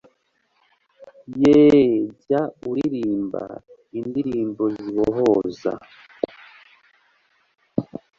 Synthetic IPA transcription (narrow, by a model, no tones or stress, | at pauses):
jeɟauɾiɾiːmba̰ | indiɾiːmboziβoɦoːza̰